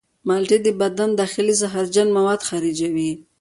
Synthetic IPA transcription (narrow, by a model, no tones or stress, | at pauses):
malʈed̪əbad̪and̪ɑxɪlizaɦaɾd͡ʒanmawad̪xaɾid͡ʒawi